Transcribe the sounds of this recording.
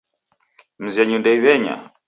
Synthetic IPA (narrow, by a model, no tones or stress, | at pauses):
m̩ziɛɲundɛiβɛɲa̰